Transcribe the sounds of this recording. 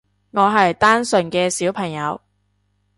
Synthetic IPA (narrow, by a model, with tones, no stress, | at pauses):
ŋɔː˨˧ɦɐ˨jt̪aː˥nsɵ˨nkɛː˧siː˨˥wpʰɐ˨˩ŋjɐ˨˧w